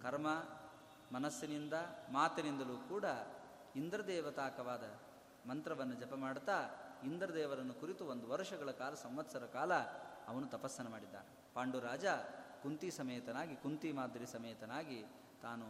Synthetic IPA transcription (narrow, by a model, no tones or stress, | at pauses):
kʰɐɾmɐ | mɐnɐsːinind̪ɐmaːt̪ɐnind̪ɐluːkuːɽɐ | ind̪ɾɐd̪ɛːʋɐt̪aːkɐʋaːd̪ɐ | mɐnt̪ɾɐʋɐnːud͡ʒɐpɐmaːɽt̪aːind̪ɾɐd̪ɛːʋɐɾɐnːukuɾit̪uond̪uʋɐɾʂɐɡɐɭɐkaːlɐsɐmʋɐt̪sɐɾɐkaːlɐɐʋɐnut̪ɐpɐsːɐnɐmaːɽid̪ːa̰ːne | paːɳɖuɾaːd͡ʒakunt̪isɐmɐjɐt̪ɐnaːɡikunt̪imaːd̪ʱɾisɐmɐjɐt̪ɐnaːɡi | t̪aːnu